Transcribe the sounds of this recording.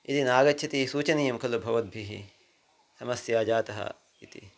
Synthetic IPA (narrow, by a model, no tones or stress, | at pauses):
it̪inaːɡɐtːʃʰɐt̪isuːt͡ʃɐnijɐmkʰɐlubʱɐʋɐt̪̚bʱiɦḭ | sɐmɐsjaːd͡ʒaːt̪ɐɦɐ̰ | it̪ḭ